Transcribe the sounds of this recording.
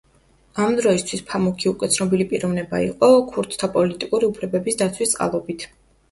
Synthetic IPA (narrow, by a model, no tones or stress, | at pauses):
amd̪ɾɔist̪ʰwispʰamukʰiukʼwɛt̪sʰnɔbilipʼiɾɔvnɛba̰ḭqʼɔkʰuɾt̪ʰt̪ʰːapʼɔlit̪ʼikʼuɾiupʰlɛbɛbisd̪at̪sʰwist̪sʼqʼa̰lˠɔbit̪ʰ